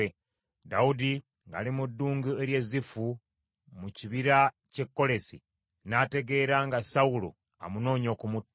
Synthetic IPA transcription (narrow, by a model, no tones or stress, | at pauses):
e | daudi | ŋɡa̰limudːuːŋɡueɾje̞zifu | muciβiɾa | ce̞kːo̞le̞si | naːte̞ɡe̞ːɾaŋɡasaulo̰ | a̰muno̞ːɲo̞ːkumut